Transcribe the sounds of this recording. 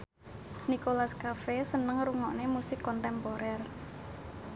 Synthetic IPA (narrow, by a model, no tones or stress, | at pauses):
nikolaskafesənəŋɾuŋɔʔnemusɪkːɔnt̪ɛmpoɾɛr